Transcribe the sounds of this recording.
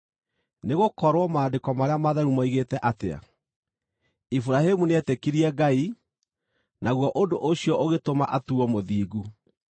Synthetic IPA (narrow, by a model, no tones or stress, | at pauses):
neɣokɔɾwɔmaːndekɔmaɾeamaðaɾumaiɣetɛʔatea̰ | ifuɾahemuneɛtɛkiɾiɛɡai | naɣwɔʔondoʔoɕijɔʔoɣetomaʔatuɔmoðiːɡu